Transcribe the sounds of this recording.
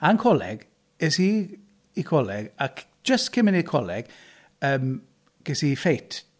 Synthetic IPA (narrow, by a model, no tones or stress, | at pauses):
ankʰɔlɛ̰ɡ̥ | ɛsi | ikʰɔlɛɡak | d͡ʒ̥əstkʰɪmɪnikʰɔlɛɡ̥ | əːm | ɡ̥ɛsifejtʰ